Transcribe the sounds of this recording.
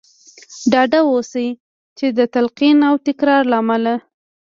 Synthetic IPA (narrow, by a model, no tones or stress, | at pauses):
ɖɑɖawosa | t͡ʃed̪ət̪alqinawʈɪkɾɑɾlaːmala